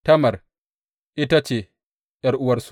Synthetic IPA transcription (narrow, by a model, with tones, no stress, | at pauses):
tɐ˦mɐ˨r | ʔɪ˦ta˦t͡ʃeː˨ | jɐ˦rʔʊ˦wɐ˦rsu̥˨